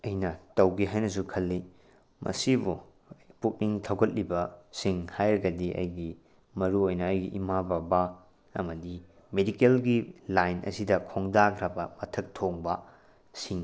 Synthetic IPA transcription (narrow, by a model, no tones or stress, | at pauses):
ɐjnɐtɐwɡiɦajnɐs̬ukʰɐlːi | mɐ̰sibu | puk̚niŋtʰɐwɡɐt̚libɐsiŋhajɾɐɡɐdiʔɐ̰jɡi | mɐɾuojnɐːjɡiʔimababa | ɐmɐdi | medikelɡilajnʔɐ̰sidɐkʰoŋdakʰɾɐbɐmɐtʰɐk̚tʰoŋbɐ | siŋ